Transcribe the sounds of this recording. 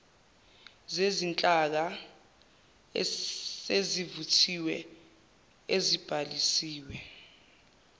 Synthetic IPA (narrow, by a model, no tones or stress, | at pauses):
zezint͡ɬʼak̬a | ezivutʰiwɛ | ezib̥ʱalisiːwɛ